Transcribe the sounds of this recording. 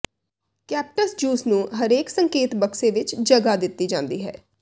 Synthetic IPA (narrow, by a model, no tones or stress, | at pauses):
kɛːp̚ʈəsd͡ʒuːsnũːɦəɾeːksəŋkeːt̪bəkseːʋɪt͡ʃd͡ʒəɡaːd̪ɪt̪ːiːd͡ʒãːnd̪iːɦɛ̰ː